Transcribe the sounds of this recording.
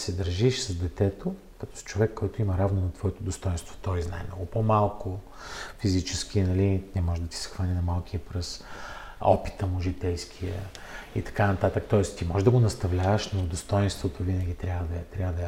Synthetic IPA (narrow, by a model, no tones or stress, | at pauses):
sɛd̪əɾʒiʃsɐzd̪ɛt̪ɛt̪o | kɐt̪ɔ̥st͡ʃovɛkːɔjt̪ʊimɐɾavnonɐt̪vɔɛt̪od̪ost̪ɔjnst̪vo̥t̪ɔjzna̰ɛ̰mnɔ̰ɡʊpomalˠko | fizit͡ʃɛskiənɐlinɛmɔʒɛd̪ɐt̪i̥sxvanʲinɐmalˠkiəpɾɛs | ɔ̰pi̥t̪əmʊʒit̪ɛjskʰiə̰ | ḭt̪ɐ̥kanɐt̪at̪ək̚t̪ɔɛst̪imɔʒɛd̪ɐɡonɐst̪ɐvlʲavəʃnod̪ost̪ɔjinst̪vot̪ovinəɡʲit̪ɾʲjavəd̪ɐt̪ɾʲavəd̪ɐ